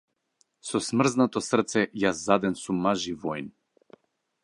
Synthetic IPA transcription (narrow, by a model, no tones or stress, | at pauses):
sɔsmr̩znat̪ɔsr̩t̪sɛjazːad̪ɛnsumːaʒivɔjn